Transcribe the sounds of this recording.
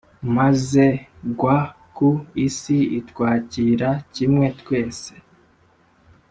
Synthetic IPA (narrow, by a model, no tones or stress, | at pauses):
maze̞ɡwa | kuisiitwaːciɾacimŋe̞tkwe̞ːse̞̥